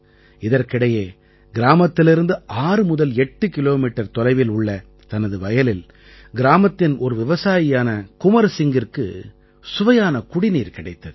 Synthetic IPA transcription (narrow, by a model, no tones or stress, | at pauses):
ɪðɐɾkɪɽɐjeː | ɡɪɾaːmɐt̪ːɪlɪɾɯnd̪ɯʔaːɾɯmʊðɐlɛʈːɯkɪloːmiːʈːɐɾt̪ɔlɐɪʋɪlʊɭːɐ | t̪ɐnɐðɯʋɐjɐlɪl | ɡɪɾaːmɐt̪ːɪnɔɾɯʋɪʋɐsaːjɪjaːnɐkʊmɐɾsɪŋɡɪrkɯ̰ | sʊʋɐjaːnɐkʊɽɪniːɾkɪɽɐɪt̪ːɐðɯ